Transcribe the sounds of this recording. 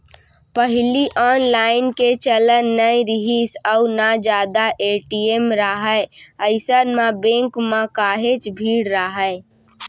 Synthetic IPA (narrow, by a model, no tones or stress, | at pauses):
pəɦliʔɔːnlaɪnket͡ʃələnːəjɾiɦisəʊnad͡ʒaːd̪aʔeʈiemɾəɦəəɪsənmebẽŋkmẽkaːɦet͡ʃbʱiːɽɾəɦə